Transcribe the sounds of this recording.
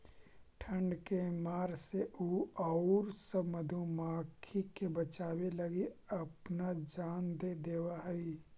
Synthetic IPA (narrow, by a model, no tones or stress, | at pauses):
ʈʰə̃ɳɖkemaːɾseʔuːɔʊɾsəbməd̪ʱõmaːkʰikebət͡ʃaːwelɐɡiɐpnad͡ʒaːnd̪ed̪eːwaɦɛi